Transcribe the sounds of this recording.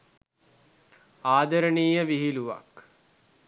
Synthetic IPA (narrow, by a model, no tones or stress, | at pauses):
aːd̪əɾəɳiːjəʋiɦiluʋa̰k